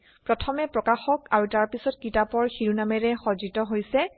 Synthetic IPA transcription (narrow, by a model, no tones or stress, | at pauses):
pɹɔtʰɔmɛpɹɔkaxɔkaɹutaɹpisɔt̚kitapɔɹxiɹunamɛɹɛxɔzitɔɦojsɛ